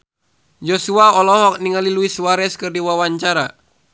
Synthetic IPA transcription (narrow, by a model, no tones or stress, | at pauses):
jɔsuaɔlɔɦɔk̚niŋaliluisuwaɾɛskɨrdiwawaɲt͡ʃaɾa